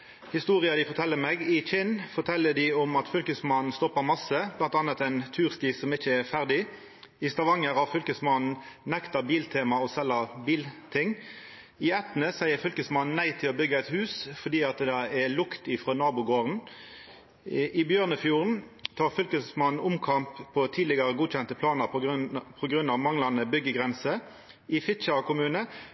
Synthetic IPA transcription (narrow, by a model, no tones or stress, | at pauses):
hɪst̪uːʁɪɑd̪ɪfɔʁt̪ʰɛlːəmeːɡɪt͡ʃɪnːfɔt̪ʰɛlːəd̪ɪɔmɑt̪fʏlkəsmɑnn̩st̪ɔpːəmɑsːəblɑnt̪ɑnət̪ɛnt̪ʰʉːʁst̪iːssɔmɪçəɛʁfæʁd̪ɪ | ɪst̪ɑʋɑŋəɾhɑfʏlkəsmɑnn̩nɛkt̪ɑbiːlt̪ʰeːmɑɔsɛlːɑbiːlt̪ʰɪŋː | ɪɛt̪nəsæɪəɾfʏlkəsmɑnn̩næɪt̪ʰɪloːbʏɡəɛɪt̪hʉːsfɔʁd̪iːɑt̪d̪ɛɛlʊkt̪ɪfʁoːnɑːbʊɡoːʁn | ʔɪbjøːʁnəfjuːʁnt̪ʰɑːʁfʏlkəsmɑnn̩ʊmkʰɑmpʰːɔt̪ʰiːd̪lɪɡɑʁəɡuːc͡çɛnt̪əpʰlɑːnəʁpʰɔɡʁʉnɑʋmɑŋlɑnəbʏɡəɡʁɛnsə | ɪfɪt͡ʃɑkʰʊmʉːnə